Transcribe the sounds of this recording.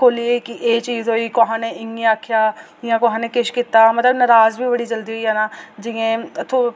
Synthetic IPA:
kʰoːliekiʔeːt͡ʃiːzɦoːiːkoɦãːnẽːɪŋɡiaːkʰjaː | jãːkoɦãːneːkɪʃkit̪aːmət̪ləbnəɾaːzbʱiːbəɽiːd͡ʒəld̪iːɦoiːɦɛːnaːd͡ʒɪẽːt̪ʰo

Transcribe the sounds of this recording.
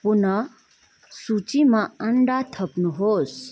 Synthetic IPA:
punə | sut͡ʃimãəɳɖat̪ʰəpnuɦoːs

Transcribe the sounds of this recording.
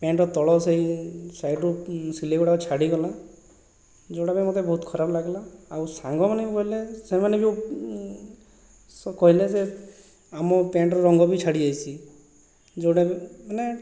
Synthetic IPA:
pẽɳʈɔt̪ɔɭɔseɦisajʈusileɡuɽat͡ʃʰaɽiɡɔla | d͡ʒewɽabemot̪ebɔɦut̪kʰɔɾabɔlaɡlaːwsaŋɡɔmanebikɔɦilesemanebio | skɔɦileze | amɔpeɳʈɾɔɾɔŋɡɔbit͡ʃʰaɽid͡ʒajsʰi | d͡ʒewɽabane

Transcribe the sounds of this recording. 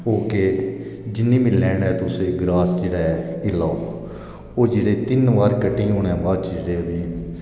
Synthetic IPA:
oːkeːd͡ʒɪnːĩːmɪlːɛːnɛːt̪ʊsẽːɡɾaːsd͡ʒeːɽaːɛɪlaːoː | oːd͡ʒeːɽeːt̪ɪnʋaːɾkəʈːĩːɦõːnɛ̃ːbaːd̪t͡ʃd͡ʒeɽeːdiː

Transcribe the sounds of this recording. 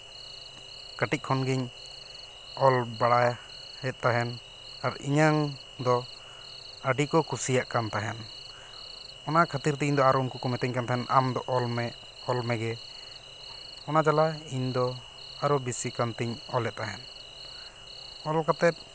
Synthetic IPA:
kaʈic̚ˀkʰɔnɡiɲ | ɔlbaɽaja | hɛt̪̚ˀt̪aɦɛn | aɾḭɲaŋ | d̪ɔ | əɖikɔkusijaʔkant̪aɦɛn | ɔnakʰat̪iɾt̪ɛiɲd̪ɔaɾɔunkukɔmɛt̪ɛɲkant̪aɦɛnʔamd̪ɔʔɔlmɛ | ɔlmɛɡɛ | ɔnad͡ʒalaiɲd̪ɔ | aɾɔbisikant̪iɲɔlɛt̪̚t̪aɦɛn | ɔlkat̪ɛt̪̚

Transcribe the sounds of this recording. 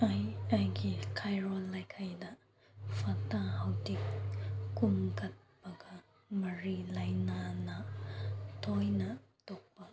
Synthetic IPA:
ajajɡikʰajɾɔlːajkʰajdɐ | pʰɐtahawdikː | umkɐt̚pɐɡɐ | mɐɾilajnanɐ | tʰojnɐtɔk̚pɐ

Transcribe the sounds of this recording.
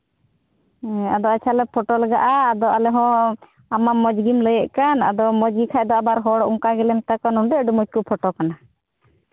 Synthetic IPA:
ad̪ɔat͡ʃʰalɛpʰɔʈɔlɡaʔaːd̪ɔʔalɛɦɔ̃ | amamɔd͡ʒɡimləjɛʔkana̰d̪ɔmɔd͡ʒɡikʰaʔd̪ɔabaɾɦɔɽɔʔuŋkaɡɛlɛmt̪akɔnuɳɖɛɖumɔt̚kupʰɔʈɔkana

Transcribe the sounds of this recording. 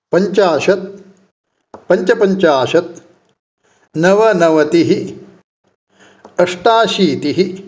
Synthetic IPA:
pɐɲt͡ʃaːʃɐt̪̚ | pɐɲt͡ʃɐpɐɲt͡ʃaːʃɐt̪̚ | nɐʋɐnɐʋɐt̪iɦi | ɐʂʈaːʃiːt̪iɦi

